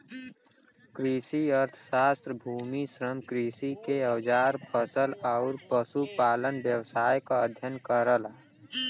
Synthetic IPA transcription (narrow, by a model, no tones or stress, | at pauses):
kɾisiəɾt̪ʰsaːst̪ɾəbʱuːmisɾəmkɾisikeəwd͡ʒaːɾpʰəsəlaʊɾpəsupaːlənbjəwsaːjkaəd̪ʱjənkəɾəla